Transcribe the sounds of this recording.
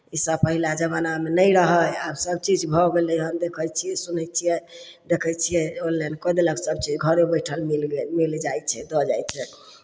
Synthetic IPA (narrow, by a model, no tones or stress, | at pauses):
isəbpəɦilad͡ʒəbanamenəjɾəɦəjabsəb̚t͡ʃid͡ʒbʱɔɡelɛɦənd̪ekʰət͡ʃʰijɛsunəjt͡ʃʰiɛ | d̪ekʰət͡ʃʰijɛollenkɔd̪eləɡsəb̚t͡ʃid͡ʒɡʱəɾebəjʈʰəlmilɡemild͡ʒajt͡ʃʰɛd̪ɔd͡ʒajt͡ʃʰɛ